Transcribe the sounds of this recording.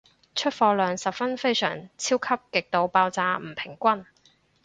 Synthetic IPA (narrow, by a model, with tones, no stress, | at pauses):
t͡ʃʰɵ˥t̚fɔː˧lœː˨˧ŋsɐ˨pfɐ˥nfe˥jsœ̰ː˨˩ŋt͡sʰiː˥wkʰɐ˥p̚kɪ˨k̚t̪o˨˧wpaː˧wt͡saː˧m̩˨˩pʰɪ˨˩ŋkʷɐ˥n